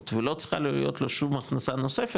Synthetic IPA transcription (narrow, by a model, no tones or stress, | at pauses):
t̪velot͡sχa̰lijot̪loʃumaχnasanosefe